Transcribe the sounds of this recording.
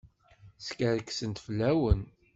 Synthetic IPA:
skəɾəkːsənt̪fəlːæwən

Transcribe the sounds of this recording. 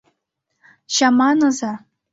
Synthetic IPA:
ɕɑmɑnɤ̆zɑ

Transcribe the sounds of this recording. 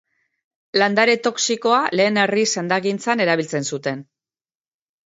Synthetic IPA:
land̪aɾet̪o̞ksiko̞ale̞ːne̞risend̪aɣint͡sane̞ɾaβilt͡se̞nsut̪e̞n

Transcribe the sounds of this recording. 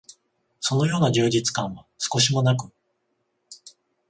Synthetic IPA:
so̞no̞jo̞ːnaʑɨːd͡ʑit͡sɨ̥kãɰ̃βasɨ̥ko̞ɕimo̞nak̬ɯ̟

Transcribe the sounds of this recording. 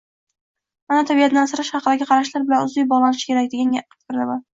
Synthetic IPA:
manat̪ʰabijat̪nansɪɾɪʃχɑqɨd̪aɡʲɪqʰɑɾaʃlaɾbɪlanʊzɪjbɒʁlˠanɪʃɪ̥kʲeakʲd̪eɡʲanɡʲaqɨ̥t̪qɾd̪ama

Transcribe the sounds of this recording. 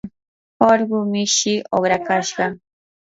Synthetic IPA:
oɾɢʊmɪʃɪʔoχɾakaʃɢɑ

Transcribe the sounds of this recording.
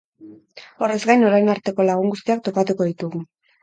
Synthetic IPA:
o̞re̞zɡajno̞ɾajnaɾt̪e̞ko̞laɣ̞uŋɡust̪iak̚t̪o̞pat̪uko̞ðit̪uɣu

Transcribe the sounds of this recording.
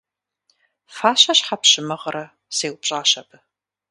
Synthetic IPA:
faːɕɐɕħapɕɪmɨʁɾɐ | seːwpɕʼaːʃɐbʰɨ

